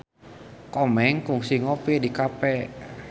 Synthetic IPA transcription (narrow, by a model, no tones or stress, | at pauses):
kɔmɛŋkuŋsiŋopidikapɛ